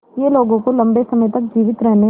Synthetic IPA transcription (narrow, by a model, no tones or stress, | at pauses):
jeːloːɡõkolɐ̃mbesɐməjt̪ɐk̚d͡ʒiːʋɪt̪ɾɛɦne